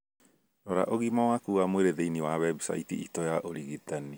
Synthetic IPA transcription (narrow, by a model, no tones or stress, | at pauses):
nɔɾa̰ʔoɣimawakuːɣamweɾeðeiniwawɛbsa̰itiʔitɔjaʔoɾiɣitani